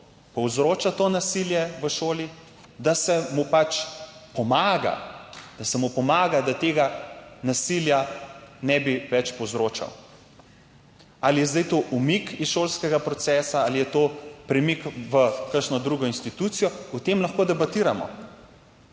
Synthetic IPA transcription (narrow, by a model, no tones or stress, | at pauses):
pɔwzɾoːt͡ʃat̪oːnasiljɛʋəʃoːli | d̪asɛmupat͡ʃpɔmaːɡa̰d̪̥asɛmupɔmaːɡad̪at̪eːɡanasiljanɛbiʋɛt͡ʃpɔwzɾoːt͡ʃa̰w | alijɛzd̪ajt̪oʔumikisʃolskɛɡapɾɔt̪sɛːsaalijɛt̪oːpɾɛmikʋəkəʃnɔd̪ɾuɡɔinst̪it̪ut̪sijɔut̪emlaxkoːd̪ɛbat̪iːɾamɔ̰